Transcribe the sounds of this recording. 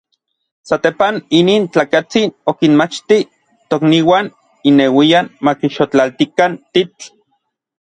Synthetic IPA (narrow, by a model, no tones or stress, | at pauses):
sat̪epaniniːnt͡ɬaːkat͡sinokinmat͡ʃt̪i | t̪okniːwaːn | inewianmakiʃot͡ɬalt̪ikant̪it͡ɬ